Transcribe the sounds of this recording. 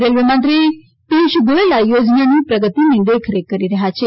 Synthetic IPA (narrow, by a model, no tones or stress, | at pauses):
ɾelʋemãnt̪ɾi | piʃuɡoelajod͡ʒnanũpɾəɡət̪inelekʰɾekːəɾiɾəɦat͡ʃʰe